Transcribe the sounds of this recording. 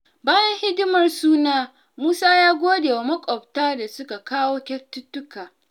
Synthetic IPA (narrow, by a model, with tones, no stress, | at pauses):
baː˦jɐ˦nhɪ˦dɪ˦mɐ˨rsuː˦naː˦ | muː˦saː˦jaː˦ɡʷoː˦deː˨wa˨mɐ˦kʷʼɔ˨btaː˦da˨sʊ˦ka˨kaː˦woː˦kʲɛ˦tːʊ˦tːʊ˦kaː˨